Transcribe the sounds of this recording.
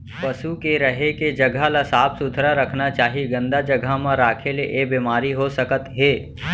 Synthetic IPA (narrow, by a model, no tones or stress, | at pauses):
pəsukeɾɐɦeked͡ʒɐɡʱalasaːpʰsʊd̪ʱɾaɾəkʰnat͡ʃaːɦiɡə̃nd̪ad͡ʒɐɡʱamãɾaːkʰeleʔebiːmaːɾiɦosəkət̪ɦeː